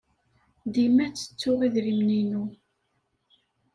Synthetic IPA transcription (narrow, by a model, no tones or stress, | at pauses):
d̪imæt͡sːə̥t͡sːʊʁiðɾimninu